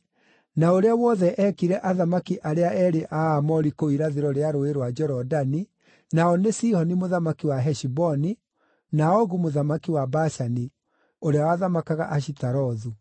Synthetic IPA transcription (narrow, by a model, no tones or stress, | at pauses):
naoɾeawɔðɛʔɛkiɾɛʔaðamakiʔaɾeaʔɛɾeʔaːmɔɾikoiɾaðeɾɔɾeaɾoeɾwad͡ʒɔɾɔdani | naɔnesihɔnimoðamakiwaɦɛʃibɔni | naɔɣumoðamakiwabaʃani | oɾeawaðamakaɣa̰ʔaʃitaɾɔðu